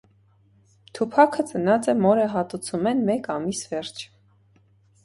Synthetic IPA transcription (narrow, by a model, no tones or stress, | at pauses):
t̪ʰupʰɑkʰət͡sənɑt͡sɛmɔɾəɦɑt̪ut͡sʰumɛnmɛkɑmisvɛɾt͡ʃʰ